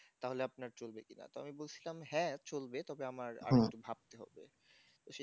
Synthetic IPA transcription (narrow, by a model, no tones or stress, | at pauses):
t̪aɦoleapnaɾt͡ɕolbekina̰t̪oa̰mibolt͡ɕʰilamhɛ̃t͡ɕolbet̪ɔbeamaɾa̰ɾektubʱab̚t̪eɦɔ̰bḛ | t̪oʃe